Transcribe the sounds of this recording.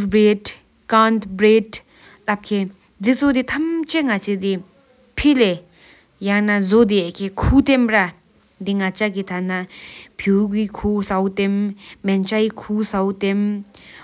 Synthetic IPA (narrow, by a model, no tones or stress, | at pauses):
bɹed | kant̪bɹed | lap̚kʰe | d̪it͡sod̪it̪ʰamt͡ɕʰeŋat͡sʰed̪i | pʰile | jaŋnazod̪ekʰekʰuːt̪emra | d̪iŋat͡ɕakit̪ʰanapʰjukikʰusawut̪emːɛnt͡ɕaikʰuːsawt̪em